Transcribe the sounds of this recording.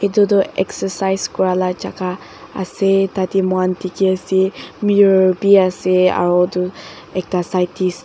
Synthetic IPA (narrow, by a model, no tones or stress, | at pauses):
edɔdɔɛ̰ksəsajskɔɹalad͡ʒaka̰ː | sɛtatimwantikiasimiɔbiasɛa̰ɹɔdu | ɛk̚tasajtʰis